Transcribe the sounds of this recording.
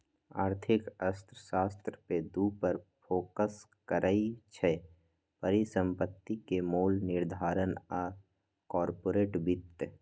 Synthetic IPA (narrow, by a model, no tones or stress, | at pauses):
aːɾt̪ʰɪkəst̪ɾəʃaːst̪ɾəped̪uːpəɾfoːkəs | kəɾʔəit͡ʃʰɛ | pəɾisə̃mpət̪ːikemoːlnɪɾd̪ʱaːɾənaː | kɔːɾpoːɾeːʈbɪt̪ː